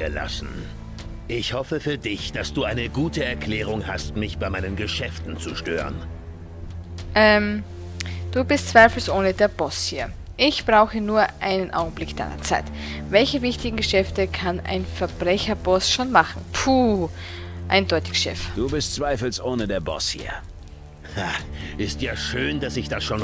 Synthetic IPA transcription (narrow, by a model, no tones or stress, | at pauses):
əla̰sn̩ | ʔɪçhɔfəfyːɐdɪçd̥asd̥uːʔaɪnəɡuːtəɛɐkʰl̥ɛːʁ̞ʊŋha̰stmɪçb̥aɪmaɪnənɡəʃɛftn̩t͡suʃtø̰ːʁə̰n | ʔɛːm | d̥uːbɪstt͡sv̥aɪfl̩sʔoːnədeːɐbɔshiːɐ | ʔɪçb̥ʁaʊxənuːɐʔaɪnənʔa̰ʊɡŋ̩blɪkd̥a̰ɪnɐ̰t͡saɪt | vɛlçəvɪçtɪɡŋ̩ɡəʃɛftəkʰana̰ɪnfɛɐb̥ʁɛçɐbɔsʃoːnmaχŋ̩pʰu | ʔa̰ɪndɔʏtɪ̥çʃɛ̰fd̥uːbɪstt͡sv̥aɪfl̩sʔoːnədeːɐbɔ̰shḭːɐ | aʔɪstjaːʃøːndasɪçd̥asʃoːn